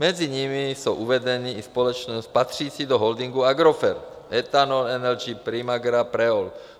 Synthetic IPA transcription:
mɛd͡ziɲimisɔʔuʋɛɟɛniːispɔlɔt͡ʃnɔspat̪riːsid̪ɔɦɔld̪iŋɡuaɡɾɔfɛɾt̪ | ɛt̪anɔlɛnɛld͡ʒipɾimaɡɾapɾɛɔl

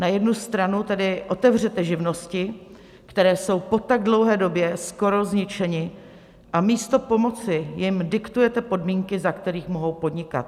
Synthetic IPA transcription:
najɛdnust̪ɾanut̪ɛdɪʔo̞t̪ɛvr̝ɛt̪ɛʒɪvno̞scɪ | kt̪ɛɾɛːso̞wpo̞t̪aɡ̚dlo̞wɦɛːdo̞bjɛsko̞ɾo̞zɲɪt͡ʃɛɲɪ | ʔamiːst̪opo̞mo̞t͡sɪjɪmdɪkt̪ujɛt̪ɛpo̞dmiːŋkɪzakt̪ɛɾiːxmo̞ɦo̞wpo̞dɲɪka̰t̪

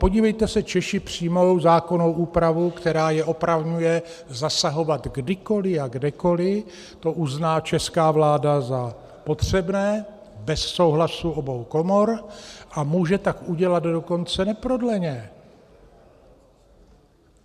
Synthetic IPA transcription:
po̞ɟiːvɛjt̪ɛsɛt͡ʃɛʃɪpr̝̥iːmo̞wzaːko̞no̞wʔuːpɾavukt̪ɛɾaːjɛʔo̞pɾavɲujɛ | zasaɦo̞vat̪ɡdɪko̞lɪaɡdɛko̞lɪ | t̪o̞ʔuznaːt͡ʃɛskaːvlaːdaza | po̞t̪r̝̥ɛbnɛː | bɛsːowɦlasuʔo̞bo̞wko̞mo̞ɾʔamuːʒɛt̪akuɟɛlad̪do̞ko̞nt͡sɛnɛpɾo̞dlɛɲɛ

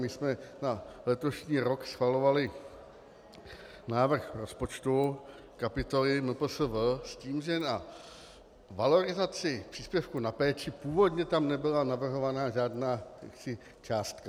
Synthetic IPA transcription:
mɪsmɛnalɛt̪o̞ʃɲiːɾo̞ksxvalo̞valɪ | naːvr̩xɾo̞spo̞t͡ʃt̪u | kapɪt̪olɪnupl̩səvsciːmʒɛna | valo̞ɾɪzat͡sɪpr̥iːspjɛfkunapɛːt͡ʃɪpuːvo̞d̪ɲɛt̪amnɛbɪlanavr̩ɦo̞vanaːʒaːdnaːja̰ksɪ | t͡ʃaːst̪ka

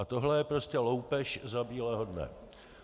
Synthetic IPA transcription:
at̪o̞ɦlɛjɛpɾo̞scɛlo̞wpɛʃzabiːlɛːɦodnɛ̰

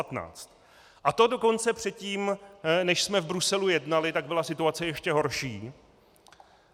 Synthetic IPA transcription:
at̪na̰ːt͡st̪ | ʔat̪o̞do̞ko̞nt͡sɛpr̝̥ɛt̪ciːmnɛʃsmɛvbɾusɛlujɛdnalɪt̪aɡ̚bɪlasɪt̪uat͡sɛjɛʃcɛɦo̞ɾʃiː

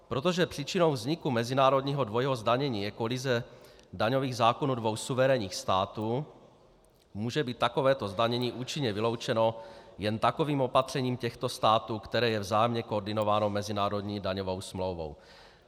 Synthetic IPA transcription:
pɾot̪̬oʒɛpr̝̥iːt͡ʃino̞wvzɲikumɛzinaːɾo̞dɲiːɦodvojɦozdaɲɛɲiːjɛkolizɛdaɲoviːɣzaːkonuːdvowsuvɛɾɛɲiːxst̪aːt̪uː | muːʒɛbiːt̪ːakovɛːt̪ozdaɲɛɲiːʔuːt͡ʃiɲɛvɪlo̞wt͡ʃɛno̞jɛnt̪ako̞viːmo̞pat̪r̥ɛɲiːmcɛxt̪ost̪aːt̪uːkt̪ɛɾɛːjɛvzaːjɛmɲɛkooɾdɪnovaːno̞mɛzɪnaːɾo̞dɲiːdaɲovowsmlowvo̰w

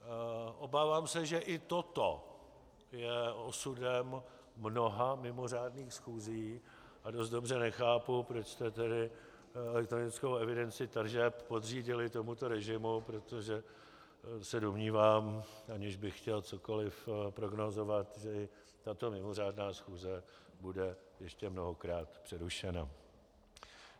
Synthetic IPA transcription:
ʔo̞baːvaːmsɛʒɛʔɪt̪ot̪o | jɛo̞sudɛmː | no̞ɦamɪmo̞r̝aːdniːxsxuːziː | ʔado̞s̬t̪̚dobr̝ɛnɛxaːpupɾo̞t͡ʃst̪ɛt̪ɛdɪ | ɛlɛk̚t̪ɾo̞nɪt͡skowɛvɪdɛnt͡sɪt̪r̩ʒɛppo̞d̪riːɟɪlɪt̪o̞mut̪o̞ɾɛʒɪmupɾo̞t̪o̞ʒɛ | sɛdomɲiːvaːmʔaɲɪʒbɪxxcɛlt͡so̞ko̞lɪfpɾo̞ɡno̞zo̞vat̪ʒɛɪ | t̪at̪o̞mɪmo̞r̝aːdnaːsxuːzɛ | budɛjɛʃcɛmno̞ɦo̞kɾaːt̪pr̥ɛɾuʃɛna̰

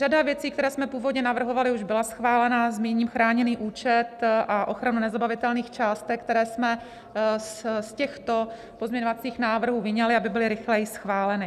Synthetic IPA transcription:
ʒadavjɛt͡siːkt̪ɛɾɛːsmɛpuːvo̞dɲɛnavr̩ɦo̞valɪuʒbɪlasxvaːlɛnazmiːɲiːmxɾaːɲɛniːʔuːt͡ʃɛt̪ʔaʔo̞xɾanunɛzabavɪt̪ɛlniːxt͡ʃaːst̪ɛkt̪ɛɾɛːsmɛ | sscɛxt̪o̞ | pozmɲɛɲovat͡siːxnaːvr̩ɦuːvɪɲɛlɪabɪbɪlɪɾɪxlɛjɪsxvaːlɛnɪ

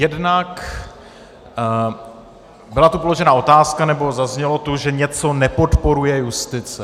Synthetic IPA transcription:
jɛdnak | bɪlat̪upoloʒɛnaːʔo̞t̪aːskanɛbo̞zazɲɛlo̞t̪uʒɛɲɛt͡so̞nɛpo̞t̪po̞ɾujɛjust̪ɪt͡sɛ

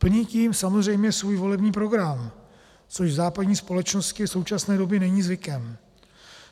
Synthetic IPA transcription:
pl̩ɲiciːmsamozr̝ɛjmɲɛsvuːjvo̞lɛbɲiːpɾo̞ɡɾam | t͡so̞ʃvzaːpadɲiːspo̞lɛt͡ʃno̞scɪfso̞wt͡ʃasnɛːdo̞bjɛnɛɲiːzvɪkɛm

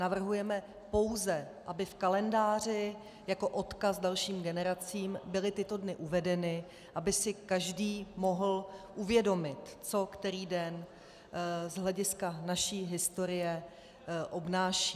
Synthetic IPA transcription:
navr̩ɦujɛmɛ | po̞wzɛʔabɪfkalɛndaːr̝ɪ | jako̞ʔo̞t̪kasdalʃiːmɡɛnɛɾat͡siːmbɪlɪt̪ɪt̪o̞dnɪʔuvɛdɛnɪ | ʔabɪsɪkaʒdiːmo̞ɦl̩ʔuvjɛdo̞mɪt̪t͡so̞kt̪ɛɾiːdɛn | zɦlɛɟɪskanaʃiːɦɪst̪o̞ɾɪjɛ | ʔo̞bnaːʃiː

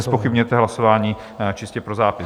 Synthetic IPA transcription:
spo̞xɪbɲujɛt̪ɛɦlasovaːɲiː | t͡ʃɪscɛpɾozaːpɪ

